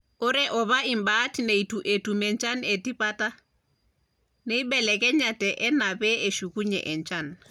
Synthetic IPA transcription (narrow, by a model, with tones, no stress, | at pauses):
o˦ɾɛ˦ʔɔ˨βa˦i˨mba˦tine˨i˨tu˨ʔe˨tu˨mɛ˨nt͡ʃa˦nɛ˨ti˦pa˦ta˦ | nɛ˦i˦bɛ˨lɛ˨kɛ˦ɲa˨tɛ˨ʔɛ˦na˨bɛ˦e˨ʃu˨ku˦ɲɛ̰ʔɛ˨ɲt͡ʃa˦n